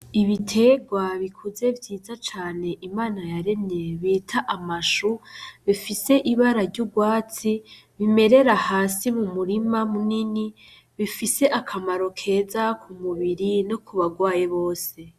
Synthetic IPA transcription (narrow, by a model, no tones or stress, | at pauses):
iβitʰe̞ɡwaβikʰuze̞vjiːzat͡ʃaːne̞ʔimaːnajaɾe̞neβiːtʰaʔamaʃuβifise̞ʔiβaɾaɾɟuɡwaːt͡si | βime̞ɾe̞ɾahaːsimumuɾimamunini | βifise̞ʔakʰamaɾo̞kʰe̞ːzakʰumuβiɾinokuβaɡwaːjeβo̞ːse̞